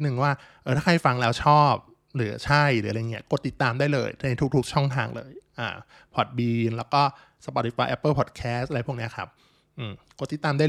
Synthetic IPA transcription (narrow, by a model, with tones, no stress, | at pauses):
nɯ˨˩ŋwaː˥˩ | ʔɤː˧˩aː˥˩kʰa˥˩fa˧ŋlɛː˦˥wt͡ɕʰɔː˥˩p̚ | ɾɯː˩˦ɐt͡ɕʰa˥˩jɾɯː˩˦ɾa˧jŋːi˦˥ɐko˨˩t̪ːi˨˩t̪ːaː˧mdaː˥˩jlɤ̰ː˧jt̪ʰa˧n˧˥jt̪ʰu˦˥kt̪ʰu˦˥k̚t͡ɕʰɔ˥˩ŋt̪ʰa̰ː˧ŋlɤ̰ː˧jʔa̰ː˨˩ | pʰɔ˨˩t̪̚biː˧nlɛː˦˥wkɔː˥˩ | sa˧pɔ˨˩t̪̚ːi˨˩pwaː˧˩ʔɛ˦˥pːɤː˥˩pʰɔ˨˩t̪̚kʰɛː˦˥st̪ʔɾjpʰːkni˦˥ɐ˧kʰɾa̰˦˥p̚ | ʔɯː˨˩mko˨˩t̪ːi˨˩t̪ːaː˧mdaː˥˩